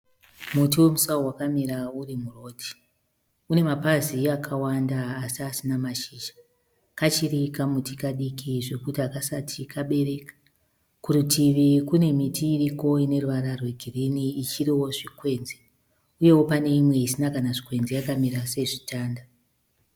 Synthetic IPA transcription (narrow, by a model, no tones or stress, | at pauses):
mut̬iwe̞musaowakamiɾaurimuro̞ːti̥ | une̞mapaziakʰawandaːsiasinamaʃiʒḁ | kat͡ʃirikamutikaɗikʰiʐe̞kutiakasatʰikʰaɓe̞re̞kḁ | kurutiʋikune̞mitʰiːriko̞ine̞ruʋaɾarwe̞ɡʱiriniːt͡ʃiriwo̞ʐikwe̞nze | uje̞wo̞pane̞imwe̞isinakanaʐikwe̞nzejakamiɾase̞ʐitaːnda